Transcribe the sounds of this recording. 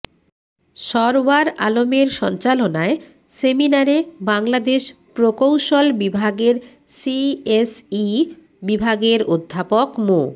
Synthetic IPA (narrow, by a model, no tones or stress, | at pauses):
ʃɔɾbaɾalomeɾʃɔnt͡ɕalonae | seminaɾebaŋlad̪eʃ | pɾokowʃolbibʱaɡeɾ | siesi | bibʱaɡeɾod̪ʱːapokmo